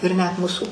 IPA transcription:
ɪr nʲɛt ˈmuːsʊ

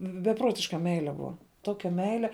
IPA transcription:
bʲɛˈpruɔtʲɪʃkɐ ˈmʲɛɪlʲɛ ˈbʊɐ ˈtoːkʲɛ ˈmʲɛɪlʲɛ

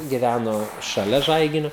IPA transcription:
ɡʲɪˈʋʲænoː ʃɐˈlʲɛ ˈʒɐɪɡʲɪnʲʊ

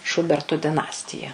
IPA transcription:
ˈʃʊbʲɛrtʊ dʲɪˈnɑːsʲtʲɪjɛ

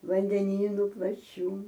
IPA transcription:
ʋɐnʲdʲɛˈnʲiːnʊ plˠɐˈt͡ʃʲuː

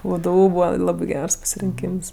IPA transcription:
ˈʋdʊ ˈbuːʋɐ ˈlˠɑːbʲɪ ˈɡʲɛrs pɐsʲɪrʲɪŋʲˈkʲiːms

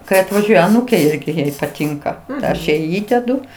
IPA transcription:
kɐɪ ɐtʋɐˈʒʲuɔjɛ ɐˈnuːkʲeː ˈɪrʲɡʲɪ ˈjɛɪ pɐˈtʲɪŋkɐ ˈɐʃ ˈjɛɪ ˈiːdʲɛdʊ

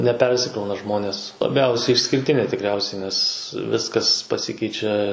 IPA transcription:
nʲɛˈpʲɛrʲsʲɪkrɐʊnɐ ˈʒmoːnʲeːs lˠɐˈbʲɛʊsʲɛɪ ɪʃʲsʲkʲɪrʲˈtʲɪnʲeː tʲɪkˈrʲɛʊsʲɛɪ nʲɛs ˈʋʲɪskɐs pɐˈsʲɪkʲɛɪt͡ʃʲɛ

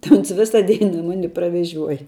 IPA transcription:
tɐɪ ˈoːns ˈʋʲɪsɐ ˈdʲɛɪnɐ ˈmɑːnʲɪ prɐʋʲɛˈʒʲuɔjɛ

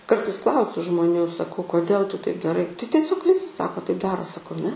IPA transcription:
ˈkɐrtɐɪs ˈklˠɐʊsʲʊ ʒmoːˈnʲuː sɐˈkɐʊ koːˈdʲeːlˠ tʊ tɐɪp dɐˈrɐɪ tɐɪ tʲiɛˈsʲoːk ˈʋʲɪsʲɪ ˈsɑːkoː tɐɪp ˈdɑːroː sɐˈkɐʊ nʲɛ

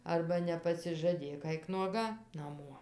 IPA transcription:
ˈɐrbɐ nʲɛpɐsʲɪʒɐˈdʲeːk ˈɐɪk nuɔˈɡɐ nɐˈmuɔ

